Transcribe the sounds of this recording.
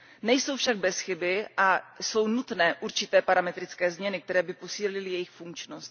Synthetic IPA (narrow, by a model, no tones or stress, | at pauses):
nɛjso̞wfʃaɡ̚bɛsxɪbɪʔaso̞wnut̪nɛːʔuɾt͡ʃɪt̪ɛːpaɾamɛt̪ɾɪt͡skɛːzmɲɛnɪk̚t̪ɛɾɛːbɪpo̞siːlɪlɪjɛjɪxfuŋkt͡ʃnost̪̚